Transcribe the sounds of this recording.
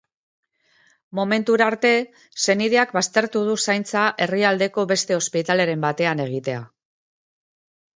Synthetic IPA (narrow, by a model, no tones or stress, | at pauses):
mo̞me̞nt̪uɾaɾt̪e̞ | se̞nið̞e̞akbast̪e̞ɾt̪uð̞usajnt͡saʔe̞riald̪e̞ko̞βe̞st̪e̞o̞spit̪ale̞ɾe̞mbat̪e̞ane̞ɣ̞it̪e̞a̰